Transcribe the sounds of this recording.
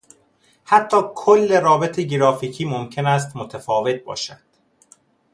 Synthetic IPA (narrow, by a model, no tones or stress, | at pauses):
hæt̪ʰːɒːkʰolːe̞ɾɒːbe̞t̪ʰeɟeɾɒːfiːcʰiːmomcʰe̞næst̪mot̪ʰæfɒːve̞t̪̚ʰbɒ̰ːʃæd̪̥